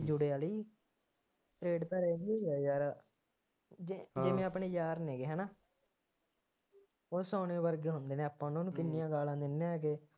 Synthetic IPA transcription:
d͡ʒʊɽeːaːliː | ʈɾeːɖt̪ãːɾeːnd̪eːjɛːjaːɾ | ɪmẽːapɳeːd͡ʒaːɾnẽːkeɦɛːnaː | oːsaːneːʋəɾɡeːɦʊnd̪eːnẽːapːãːnõːnũːkɪnːijãːɡaːlãːd̪ɪnːẽːɛk̬e

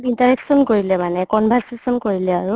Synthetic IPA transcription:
tintaɹɛksɔnkoɹilɛmanɛkɔnbʱɛɹsesɔnkoɹilɛaɹu

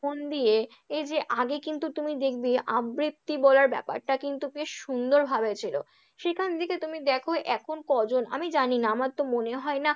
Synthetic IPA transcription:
ond̪ije | ed͡ʑeʔaɡekint̪ut̪umid̪ek̚ʰbiabɾip̚t̪ibɔlaɾbɛ̰pa̰ɾʈakint̪upeʃʃund̪oɾbʱabet͡ɕʰilo̰ | ʃekʰanet̪ʰeket̪umid̪ɛkʰoʔɛkʰonkɔd͡ʑona̰mid͡ʑaninaamaɾt̪omoneɦɔena

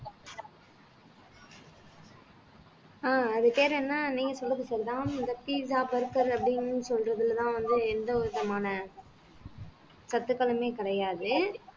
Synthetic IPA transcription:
aːɐðɯt̪eːɾɐ̃ɛnːaːniːŋɡɐsɔlːɐðɯsɐɾit̪ãːɪnd̪ɐpiːsaːpɐɾkɐɾɐpːɐɽɪnsɔlɾɐðɪlt̪ãːʋɐnd̪ɯɛnd̪ɐɔɾɯðɐmaːnɐ | sɐt̪ːɯkːɐlɐmeːkɪɽɐjaːðɯ

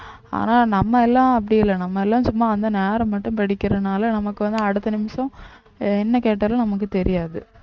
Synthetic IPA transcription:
a̰ːnaːnɐmːɐɛlːãːɐp̬ːɐɽɪjɪlːɐnɐmːɐɛlːãːsʊmːaːɐnd̪ɐneːɾɐ̃mːɐʈːɯ̃mpɐɽɪkʲːɪɾɐnaːlɐnɐmɐkːɯʋɐnd̪ɯɐɽɯt̪ːɐnɪmɐsɐ̃ | ɛnːɐkeːʈ̬ːaːlɐ̃nɐmɐk̬ːɯt̪ɛɾɪjaːðɯ

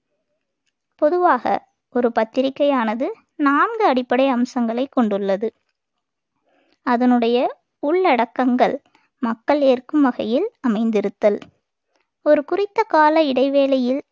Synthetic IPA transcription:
pɔðɯʋaːɣɐ̰ | ɔɾɯpɐt̪ːɪɾɪkːɐjaːnɐðɯ | naːnɡɯɐɽɪpːɐɽɐɪɐmsɐŋɡɐɭɐɪkːɔɳɖɯɭːɐðɯ | ɐðɐnɯɽɐjɐ | ʊɭːɐɽɐkːɐŋɡɐɭ | mɐkːɐɭeːrkɯmʋɐɣɐjɪlɐmɐɪnd̪ɪɾɯt̪ːɐl | ɔɾɯkʊrɪt̪ːɐkaːlɐɪɽɐɪʋeːlɐjɪl

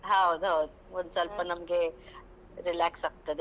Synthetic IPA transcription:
ɦawd̪ɦawd̪̚ | ʋənsaːlpɐnɐmke | ɾɪlæːksɐk̚t̪ed̪

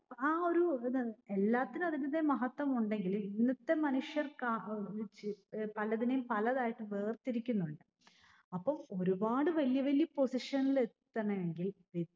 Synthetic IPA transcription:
aːo̞ɾue̞lːaːt̪ːinuɐðinɐðːemɐɦɐt̪ːwɐmuɳɖeŋɡiliinːɐt̪ːe̞mɐnuʂjɐrka | pɐlɐðinejumpɐlɐðaːjiʈːɨʋe̞ːrt̪iɾikʲːunːuɳɖɨ | ɐpːɐmo̞ɾubaːɽɨʋɐlijɐʋɐlijɐpo̞siʂɐnːilet̪ːɐɳɐjeŋɡilʋi

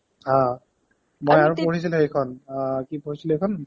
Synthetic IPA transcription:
hã | mojaɹupoɹis̬iluejkʰɔnkipoɹisilejkʰɔn

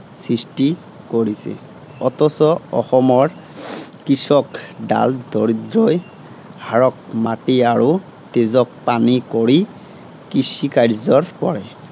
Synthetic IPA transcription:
sɹisti | koɹisɛ̰ | ɔt̪ɔsɔɔ̰xɔmɔɹ | kisɔkda̰ldɔɹidɹɔj | haɹɔk̚matiaɹu | tezɔk̚panikoɹi | kisikaɹzɔɹpɔɹɛ

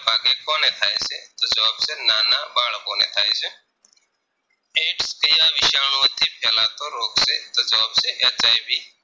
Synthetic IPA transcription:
paːɡekoːnet̪ʰaːesḛt̪od͡ʒɐʋaːbsenaːnabaːɽaboːnet̪ʰaːese | eːʈskɐjaʋɪʃaːñut̪ʰipʰɛːlaːt̪oɾoːkset̪od͡ʒɐʋaːbseʔat͡ʃaːibʱi

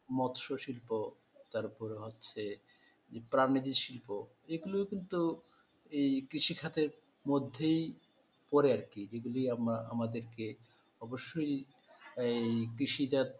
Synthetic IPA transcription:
mɔt̪ʃoʃilpo | t̪aɾpɔɾeɦotːɕʰe | d͡ʑepɾanid͡ʑ̪iʃilpo | eɡulookint̪u | ejkɾiʃikʰat̪eɾ | mod̪ʱːej | pɔɾeaɾkid͡ʑeɡulijamaa̰mad̪eɾke | ɔboʃːoj | ejkɾiʃid̪at̪

